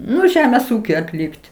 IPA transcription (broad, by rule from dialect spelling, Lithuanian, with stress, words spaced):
ˈnʊ ˈʒʲæːmʲeːs ˈuːkʲʊɪ ɐtʲˈlʲɪkt